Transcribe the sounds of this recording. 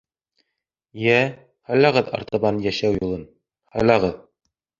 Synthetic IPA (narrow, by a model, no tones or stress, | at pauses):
jæ | hɑjlˠɑʁɤðɑ̰ɾt̪ɑβɑnjæʃæwjulˠɤn | hɑjlˠɑʁɤð